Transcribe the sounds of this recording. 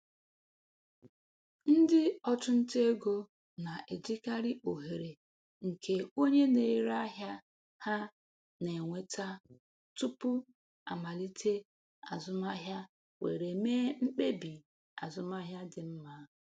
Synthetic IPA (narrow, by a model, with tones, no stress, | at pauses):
n̩˦dɪ˦ɔ˦t͡ʃʊ˦n̩˦te˦e˦ɡo˦ | na˨ʔe˨d͡ʒi˦ka˦ɾɪ˦ʔo˨ɦe˨ɾe˨ | ŋ̩˨kʰe˦o˦ɲe˦ne˨˦ɾa˦ɦja˦ | ha˦ | ne˨ŋʷe˨ta˦ | tu˦pʊ˦ | a̰˨ma˨li˦tʰe˦ | a̰˨zʊ˦ma˦ɦja˦ | wḛ˨ɾe˨meː˦ŋ͡m̩˦k͡pe˦bi˨ | a˨zʊ˦ma˦ɦja˦dɪ˨m̩˦ma˦